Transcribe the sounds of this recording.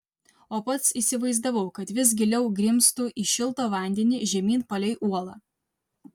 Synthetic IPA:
oːpɐt̪siːsʲɪʋɐɪzd̪ɐʋɐʊkɐt̪ʋʲɪs̬ɡʲɪlʲɛʊɡɾʲɪmst̪uːʔiʃʲɪlˠt̪oːʋɐˑnʲd̪ʲɛnʲɪʒʲɛmʲiːnpɐlʲɛɪʔuɔlˠɐ

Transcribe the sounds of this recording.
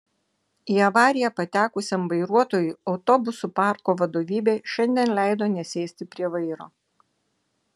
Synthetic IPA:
iːɐʋɑːɾʲɪjɛpɐt̪ʲæːkʊsʲɛmʋɐɪɾuɔt̪oːjʊɒʊt̪ɔbʊsupɑˑɾkoːʋɐd̪oːʋʲiːbʲeːʃʲɛnʲd̪ʲiɛnlʲæˑɪd̪oːnʲɛsʲɛːsʲt̪ʲɪpʲɾʲiɛʋɐɪɾo̰ː

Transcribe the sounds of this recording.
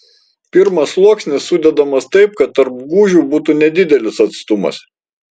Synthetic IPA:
pʲɪɾmɐslˠuɔksʲnʲɪsːʊd̪ʲɛd̪ɐmɐst̪ɐɪp̚kɐt̪ːɐɾp̚ɡuːʒʲuːbuːt̪uːnʲɛd̪ʲɪd̪ʲɛlʲɪsɐt̪st̪ʊmɐ̰s

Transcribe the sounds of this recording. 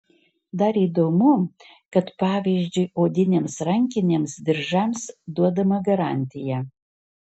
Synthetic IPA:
d̪ɐɾiːd̪oːmʊ | kɐt̪pɑːʋʲiʒʲd͡ʒʲʊjoːd̪ʲɪnʲeːmsɾɐŋʲkʲɪnʲeːmsd̪ʲɪɾʒɐmsd̪uɔd̪ɐmɐɡɐɾɑːˑnʲt̪ʲɪjɛ

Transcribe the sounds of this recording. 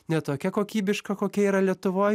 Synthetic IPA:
nʲɛt̪oːkʲɛkoːkʲiːbʲɪʃkɐkoːkʲɛiːɾɐlʲiɛt̪ʊʋoːj

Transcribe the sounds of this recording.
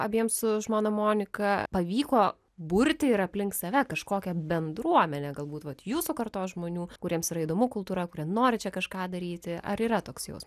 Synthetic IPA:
ɐbʲiɛmssʊʒmoːnɐmoːnʲɪkɐpɐʋʲiːkoː | bʊɾʲt̪ʲɪɪɾɐpʲlʲɪŋkt̪sɐʋʲɛkɐʃkoːkʲɛbʲɛnd̪ɾuɔmʲɛnʲɛɡɐlˠbuːt̪ʋɐt̪juːsʊkɐrt̪oːsʒmoːnʲuːkʊɾʲiɛmsiːɐid̪oːmʊkʊlˠt̪uːɾɐkʊɾʲiɛnoːɾʲɪt͡ʃʲɛkɐʃkɑːd̪ɐɾʲiːt̪ʲɪɐ̰ɾiːɾɐt̪oːksjɛ̰ʊs

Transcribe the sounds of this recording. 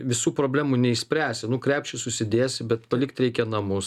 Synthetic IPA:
ʋʲɪsuːpɾoːbʲlʲæːmuːnʲɛɪʃsʲpʲɾʲæːsʲɪnʊkɾʲæːpʲʃʲt͡ʃʲɪsʊsʲɪd̪ʲeːsʲbʲɛt̪pɐlʲɪkt̪ɾʲɛɪkʲɛnɐmʊs

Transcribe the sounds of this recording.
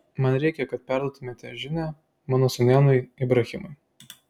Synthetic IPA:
mɐnɾʲɛɪkʲɛkɐt̪̚pʲæɾd̪uɔt̪ʊmʲeːt̪ʲɛʒʲɪnʲæ | mɑːnoːsʊnʲæːnʊɪɪbɾɐxʲɪmʊɪ

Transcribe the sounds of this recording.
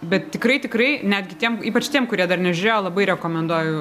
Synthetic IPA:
bʲɛt̪t̪ʲɪkɾɐɪt̪ʲɪkrɐɪnʲæːd̪ʲɡʲɪt̪ʲiɛmiːpɐt͡ʃt̪ʲiɛmkʊɾʲiɛd̪ɐrnʲɛʒʲɪɾʲeːjoːlˠɐbɐɪɾʲɛkoːmʲɛnd̪uɔjʊ

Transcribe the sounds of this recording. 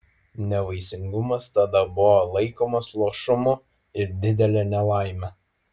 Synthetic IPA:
nʲɛʋɐɪsʲɪŋɡʊmɐst̪ɐd̪ɐbʊʋolˠɐɪkoːmɐslˠuɔʃʊmʊ | ɪɾd̪ʲɪd̪ʲɛlʲɛnʲɛlˠɑˑɪmʲɛ

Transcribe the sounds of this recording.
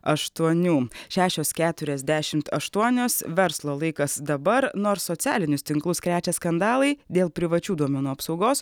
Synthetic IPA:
ɐʃt̪uɔnʲuːʃʲæːʃʲoːskʲæːt̪ʊɾʲɛzʲd̪ʲæːʃʲɪmt̪ɐʃt̪uɔnʲoːsʋʲɛɾslˠoːlˠɐɪkɐsd̪ɐbɐɾnoːɾsːɔt̪sʲæːlʲɪnʲʊst̪ʲɪŋklˠʊskɾʲæːt͡ʃʲɛskɐnd̪ɑːlˠɐɪd̪ʲeːlˠpʲɾʲɪʋɐt͡ʃʲuːd̪uɔmʲɛnuːɐpsɒʊɡoːs

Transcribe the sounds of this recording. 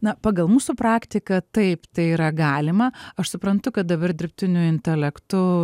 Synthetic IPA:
nɐpɑːɡɐlˠmuːsuːpɾɑːkt̪ʲɪkɐt̪ɐɪpt̪ɐɪiːɾɐɡɑːlʲɪmɐɐʃsʊpɾɐnt̪ʊkɐt̪̚d̪ɐbɐrd̪ʲɪɾʲpʲt̪ʲɪnʲʊɪnʲt̪ʲɛlʲɛkt̪ʊ

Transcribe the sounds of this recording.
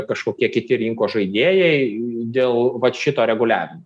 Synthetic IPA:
kɐʃkoːkʲiɛkʲɪt̪ʲɪɾʲɪŋkoːʒɐɪd̪ʲeːjɛɪd̪ʲeːlˠʋɐt̪ʃʲɪt̪oːɾʲɛɡʊlʲæ̰ːʋʲɪmo

